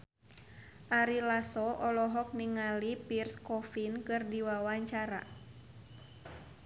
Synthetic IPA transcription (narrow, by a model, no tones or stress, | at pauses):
ʔaɾilasɔʔɔlɔɦɔk̚niŋalipirskɔfinkɨrdiwawaɲt͡ʃaɾa̰